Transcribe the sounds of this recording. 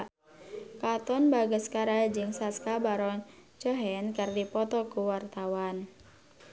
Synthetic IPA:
kat̪ɔnbaɡəskaɾad͡ʒɨŋsaskabaɾɔnt͡ʃɔɦɛnkərdipɔt̪ɔkuwart̪awan

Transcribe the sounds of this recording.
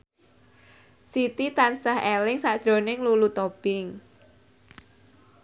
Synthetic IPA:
sit̪it̪ansaɦɛlɪŋsḁʒ̥ɾo̤nɪŋlulut̪ob̥ɪŋ

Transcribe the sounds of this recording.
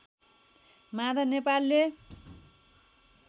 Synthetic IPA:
mad̪ʌnepalːe

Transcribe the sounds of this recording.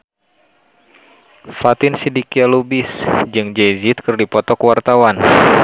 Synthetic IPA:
fat̪ɪnsidikialubisd͡ʒɨŋd͡ʒezit̪̚kɨrdipɔt̪ɔkəwart̪awan

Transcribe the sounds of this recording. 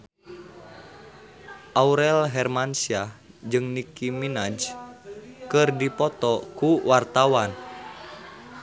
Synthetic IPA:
ʔauɾɛlɦɛrmansia | d͡ʒɨŋnikiminad͡ʒ | kɨrdipɔt̪ɔkuwart̪awan

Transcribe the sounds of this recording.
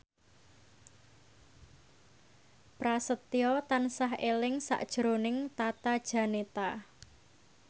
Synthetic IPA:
pɾasət̪iɔt̪ansaɦelɪŋsa̰ʔd̥ʒ̥ɾonɪŋt̪at̪ad̥ʒ̥ä̤net̪a

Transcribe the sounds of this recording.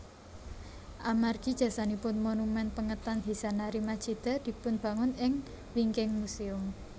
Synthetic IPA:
ʔamarɡ̥i̤d̥ʒ̥ä̤sanipʊnmonumɛnpəŋət̪anɦisanaɾimad̥d͡ʒ̥i̤d̪̥a̤d̪̥i̤pʊnb̥a̤ŋʊnɪŋ | wiŋkɪŋmuseʊm

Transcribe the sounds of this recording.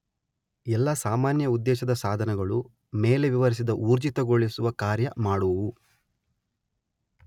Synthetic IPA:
ɛlːɐsaːmaːnjɐud̪ːɛːʃɐd̪ɐsaːd̪ʱɐnɐɡɐɭu | meːle̞ʋiʋɐɾis̬id̪ɐʔuːɾd͡ʒit̪ɐɡoɭisuʋɐkaːɾjɐmaːɽuʋu

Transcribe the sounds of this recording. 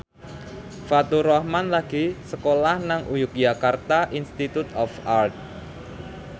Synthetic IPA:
fat̪uɾɔhmanlaɡ̥isəkolahnaŋujʊk̚d͡ʒakart̪aʔinst̪it̪ut̪ɔfart̪̚

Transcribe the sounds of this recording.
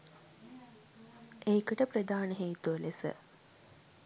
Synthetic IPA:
eːkəʈəpɾəd̪aːnəɦeːt̪uʋəlesə̰

